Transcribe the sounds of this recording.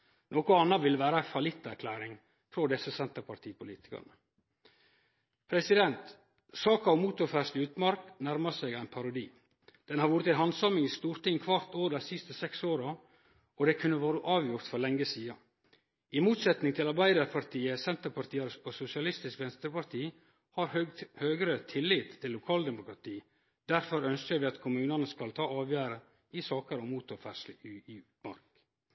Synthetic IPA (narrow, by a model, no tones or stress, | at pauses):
nʔoːkʊɑnːɑʋɪlʋæːɾɑfɑlɪt̪ːæɾkʰlæːɾɪŋ | fɾɔd̪ɛsːəsɛnt̪əɾpʰɑɾt̪ʰiːpʰʊliːt̪ɪ̥kɑ̰ɳə | pʰɾɛsɪd̪ɛnt̪ | sɑːkɑɔmuːt̪ʊɾfæʂt̪ɪʉːt̪mɑɾknæɾmɑsæɡæɪnpʰɑɾʊd̪iː | d̪̥ɛnhɑɾʋuːɾət̪ænɦɑnsɑmɪŋɪst̪uːɾt̪ɪŋkʰʋɑɾt̪oːɾd̪ɛsɪst̪əsɛksoːɾɑ | ɔd̪ɛkʰʉnːəʋoːɾəʔɑːʋjʊɾt̪fɔlɛŋːəsiːɑ | ʔɪmuːt̪sɛt̪nɪŋt̪ʰɪlɑɾbæɪd̪ɑɾpʰɑɾt̪ʰiːəsɛnt̪əɾpʰɑɾt̪ʰiːəɾspʰɔsʊsɪɑlɪst̪ɪskʋɛnst̪əɾpɑɾt̪ʰiː | hɑɾhøːɡɾət̪ʰɪlːit̪ʰːɪlːʊkʰɑːld̪ɛmʊkɾɑt̪ʰiː | d̪̥æɾfɔɾœnskəɾʋɪːɑt̪kʰʊmʉːnənəskɑlt̪ʰɑːɑːʋjæːɾə | ɪsɑːkəɾɔmuːt̪ʊɾfæʂi | mɑ̰ɾk